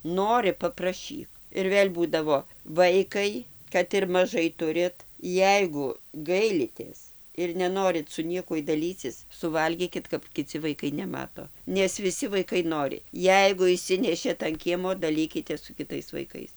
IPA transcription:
ˈnoːrʲɪ pɐprɐˈʃʲiːk ɪr ˈʋʲeːlʲ ˈbuːdɐʋoː ˈʋɐɪkɐɪ kɐt ɪr mɐˈʒɐɪ ˈtʊrʲɪt ˈjɛɪɡʊ ˈɡɐɪlʲɪtʲeːs ɪr nʲɛˈnoːrʲɪt sʊ ˈnʲiɛkuɔj dɐˈlʲiːt͡sʲɪs sʊˈʋɐlʲɡʲiːkʲɪt kɐp kʲɪˈt͡sʲɪ ʋɐɪˈkɐɪ nʲɛˈmɑːtoː nʲɛs ʋʲɪˈsʲɪ ʋɐɪˈkɐɪ ˈnoːrʲɪ ˈjɛɪɡʊ ɪʃʲˈsʲɪnʲɛʃʲeːt ɐn ˈkʲiɛmoː dɐˈlʲiːkʲɪtʲeːs sʊ kʲɪˈtɐɪs ʋɐɪˈkɐɪs

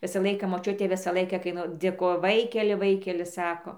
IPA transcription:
ˈʋʲɪsɐ ˈlˠɐɪkɐ moːˈt͡ʃʲʊtʲeː ˈʋʲɪsɐ ˈlˠɐɪkɐ kɐɪ ˈnʊ dʲeːˈkoːjoː ˈʋɐɪkʲɛlʲɪ ˈʋɐɪkʲɛlʲɪ ˈsɑːkoː

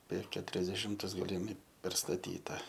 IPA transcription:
pʲɛr kʲɛtʊrʲɛzʲdʲɛˈʃʲɪmtʊs ɡɐlʲɪˈmʲɪ pʲɛrstɐˈtʲiːtɐ

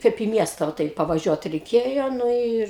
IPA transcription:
ˈkɐɪp iː ˈmʲiɛstɐ ʋɐ ˈtɐɪ pɐʋɐˈʒʲuɔt rʲɛɪˈkʲeːjoː ˈnʊ ɪr

